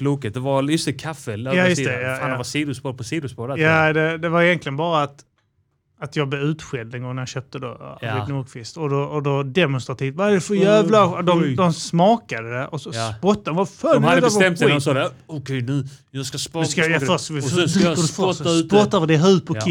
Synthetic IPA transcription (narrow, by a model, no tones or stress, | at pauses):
pʰluːkət̪̚d̪ɛvajɵst̪ɛkʰafɛjajʉst̪ɛjajaːadvasiːd̪ʊspoɾ̚pʰɔsiːd̪ʊspɔɾjad̪ɛd̪ɛvaɾɪjɛnk̪lɪənbɑːɾaːt̪ | at̪jɑːɡblɛʉ̟ːt̪ɧɛld̪ɛnɡɔŋnajɑɕøːp̚t̪əd̪o̰enuːkʰfɪst̪ɔd̪ɔːd̪ɔd̪ɛmɔʊnst̪ɾat̪ʰiːft̪vaaɛfəjæːvlad̪ɔmd̪ɔmsmɑːkad̪əd̪ɛɔsɔspɔt̪ːad̪ɔvafœad̪t̪st̪ɛmt̪dɔmsɔːd̪ɛɔkʰɛjnʉːjɑskaspɔskajafɔɪɛədəfœaʉɔt̪ːavəd̪ɛɦʉːt̚pʰɔɪ